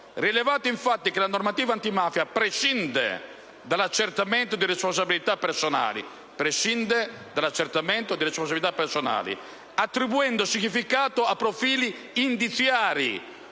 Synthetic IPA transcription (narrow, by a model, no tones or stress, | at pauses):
riɛlɛvaːt̪ʊiɱfat̪ːikelanɔrmat̪iːvant̪imaːfjapɾeʃind̪ɛ̰ | d̪alat͡ʃːɛrt̪amɛnt̪od̪iɾɛspɔns̬abilit̪apːɛɾsɔna̰ːlḭ | pɾeʃind̪ɛ | d̪alat͡ʃːɛɾt̪amɛnt̪od̪iɾɛspons̬abilit̪apːɛɾsɔna̰ːlḭ | at̪ːɾibuɛnd̪osiɲifikaːt̪oapːɾofiːliː | nd̪it̪θjaːɾḭ